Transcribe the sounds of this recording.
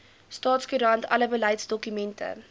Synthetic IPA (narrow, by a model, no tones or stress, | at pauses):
stɑːtskyɾɐntʰɐ̰ləbəlɐjtsdɔkymɛntʰə̰